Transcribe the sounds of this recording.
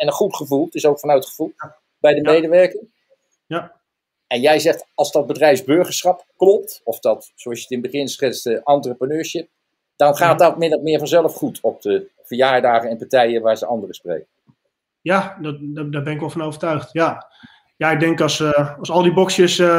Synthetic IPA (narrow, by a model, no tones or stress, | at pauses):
ɛnənχutχəvulˠtɪsowkfɑnœɥtχəvulˠ | bɛjdəmejdəʋɛɹkəŋ | ja | ɛnjɛjzɛχtɑlˠzdɑd̚bədrɛjfzbøɹχəɹsχɑpklɔp̚tɔfd̥ɑt | soɑsjətɪnbəχɪnsχɪstəʔɑntrəprənøːɹsɪp̚ | d̥ɑnχaːt̚dɑtmɪndɔtmɪːɹvɑnzɛlˠəfχutʰɔp̚də | v̥əɹjaːɹdaːχəɛnpaɹtɛjəʋaːɹzəʔɑndərəsprḛjkə | jadddaːbɛnɪkʋɛlˠfɑnowvəɹtœɥχtja | jaɪɡ̚dɛŋkɑsɑsɑlˠdibɔksjəs